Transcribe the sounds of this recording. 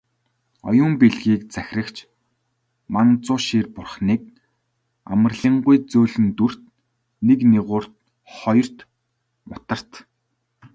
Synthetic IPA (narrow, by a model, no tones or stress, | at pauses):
ɔ̰jʊːmpeɮɣiːk̚t͡sæxʲrə̆kt͡ɕʰ | mant͡sʊːʃiːrpʊrχniːk̚ | a̰mə̆rɮĭːɴɢujt͡soːɮɘ̆nt̪ur̥t̪ | nekniʁʊːr̥t̪ | χɔjɞ̆r̥t̪ | mʊt̪ə̆r̥t̪